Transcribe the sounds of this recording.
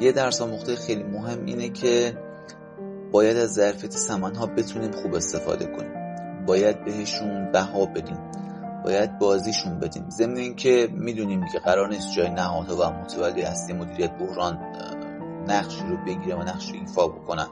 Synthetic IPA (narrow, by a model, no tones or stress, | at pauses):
jed̪æɾsɒːmoχt̪ʰe̞jexejliːmoɦe̞mːʔḭːnecʰe̞ | bɒːjæd̪æzːæɾfijæt̪ʰesæmænɦɒːbe̞t̪ʰuniːmxuːbe̞st̪e̞fɒ̰ːd̪e̞̰kʰo̞nḭːm | bɒːjæd̪̚be̞ɦe̞ʃunbæɦɒːbe̞d̪iːm | bɒ̰ːjæd̪̚bɒːziːʃunbe̞̰d̪ḭːmze̞mneiːncʰe̞miːd̪uniːmcʰe̞ɣæɾɒːɾniːst̪̚d͡ʒɒːjenæɦɒːd̪hɒːvæmot̪ʰævælːejæslijemod̪iːɾijæt̪̚ʰbohɾɒːnː | æɣʃiɾobe̞ɟiːɾevænæɣʃoiːfɒːbo̞̰kʰo̞næn